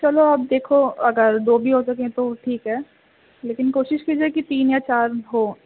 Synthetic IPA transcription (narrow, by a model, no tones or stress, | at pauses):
t͡ʃɐloap̚d̪eːkʰoɐɡəɾd̪oːbʱiɦosɐkẽt̪oʈʰiːkɦɛː | leːkɪnkoːʃɪʃkiːd͡ʒiekit̪iːnjat͡ʃaːɾɦoː